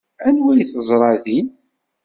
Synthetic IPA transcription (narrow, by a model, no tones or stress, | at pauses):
ænwæjθəzˤɾˤɑðin